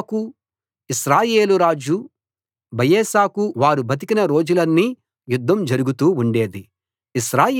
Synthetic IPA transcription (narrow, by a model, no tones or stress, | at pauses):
ku | iʃɾaːje̞ːluɾaːd͡ʒu | bʱɐjeːʃaːkuʋaːɾubʱɐt̪̬ikinɐɾo̞ːd͡ʒulɐnːiː | jud̪ʱːɐmd͡ʒɐɾuɡut̪uːuɳɖe̞ːd̪i | iʃɾaː